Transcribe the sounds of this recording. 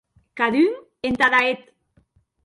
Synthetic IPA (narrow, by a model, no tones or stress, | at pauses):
kaðyŋ | ent̪aðaet̪